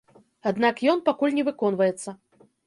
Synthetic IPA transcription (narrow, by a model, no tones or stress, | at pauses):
ad̪nakjɔnpakulʲnʲɛvɨkɔnvɐjɛt̪sːɐ